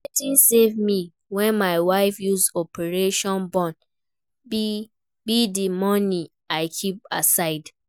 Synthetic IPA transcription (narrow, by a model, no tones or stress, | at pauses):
ɛtĩnsevmi | wɛ̃nmaɪwaɪfjuzɔpʰɛɹeʃɔ̃nbɔ̃n | bi | bidimɔni | aɪkʰip̚a̰saɪd